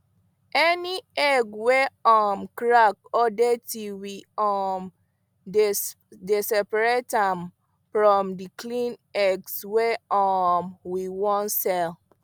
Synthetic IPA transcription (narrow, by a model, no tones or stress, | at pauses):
ɛniɛɡwɛɔmkɹak̚ɔdetiwiɔm | desɛpɹetãm | fɹɔ̃mdiklĩnɛɡswɛɔmwiwɔ̃nsɛl